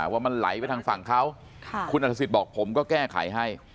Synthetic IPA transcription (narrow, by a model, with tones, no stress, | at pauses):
waː˥˩ma˧nla̰˩˦jpa˧jt̪ʰaː˧ŋfa˨˩ŋkʰa˦˥wʰ | kʰu˧nʔa˨˩t̪a˧˥i˨˩t̪̚bɔː˨˩k̚pʰo˩˦mkɔː˥˩kɛː˥˩kʰa̰˩˦jɦa˥˩j